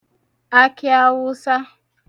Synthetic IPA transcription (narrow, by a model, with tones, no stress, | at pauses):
a˦kɪ˦a˦wʊ˦sa˦